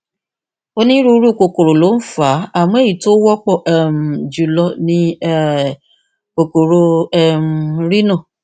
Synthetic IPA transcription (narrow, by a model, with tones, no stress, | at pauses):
o˧nĩ˦ɾu˧˦ɾu˦˨ko˧ko˨ɾo˨lo˨˦n̩˦fa˨˦a˦˨mũ˦e˦˨ji˨to˦wɔ˦k͡pɔ˦˨ʔɛ˨m̩˨d͡ʒu˨˦lɔ˧nĩ˧ɛ˦ | o˨ko˨ɾo˧ɛ˦m̩˨ɾi˦nɔ̃˦˨